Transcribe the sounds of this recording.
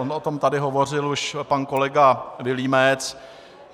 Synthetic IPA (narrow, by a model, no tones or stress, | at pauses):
onʔot̪o̞mt̪adɪɦo̞vo̞r̝ɪluʃpanko̞lɛɡavɪliːmɛt͡s